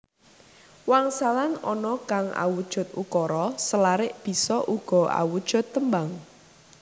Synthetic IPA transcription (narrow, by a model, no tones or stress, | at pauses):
waŋsalanɔnɔkaŋʔa̰wud̥ʒ̥ʊ̤t̪̚ukɔɾɔsəlaɾɪʔb̥i̤sɔʔuɡ̥ɔ̤a̰wud̥ʒ̥ʊ̤t̪ːəmbaŋ